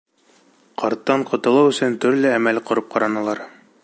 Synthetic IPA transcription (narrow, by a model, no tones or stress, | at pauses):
qʰɑɾt̪ːɑɴqŏt̪ɤ̆lˠɤwɵ̆sɵnt̪ɵ̆ɾlɘæmælqŏɾɤp̚qʰɑɾɑnɑlˠɑɾ